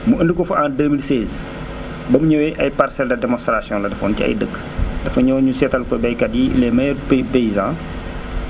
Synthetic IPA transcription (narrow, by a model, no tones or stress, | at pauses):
muəndəkɔfuʔãːndəːmilsɛz | bɐmuɲɔwɛʔɐjparsɛldɐdɛmɔ̃nst̪rasjɔ̃lɐdɐfɔ̰ntiɐ̰jdəkː | dɐfɐɲɔːɲusɛtɐlkɔbɛjkɐdḭlɛmɐppeizã